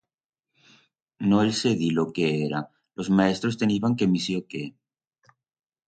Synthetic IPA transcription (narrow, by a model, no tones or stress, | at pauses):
noelseðilokeeɾa | lʔozmaest̪ɾost̪e̞niβaŋkemisjoke